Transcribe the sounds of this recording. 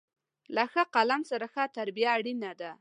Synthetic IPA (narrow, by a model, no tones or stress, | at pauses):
laxaqalamsaɾaxat̪aɾbijaːɽinad̪a